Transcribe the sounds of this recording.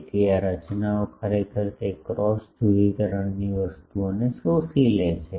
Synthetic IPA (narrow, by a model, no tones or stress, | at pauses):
t̪iaɾət͡ʃnaokʰəɾekʰəɾt̪ekɾɔsd͡ʒʱuʋikəɾəɳniʋəst̪uonesosilet͡ʃʰe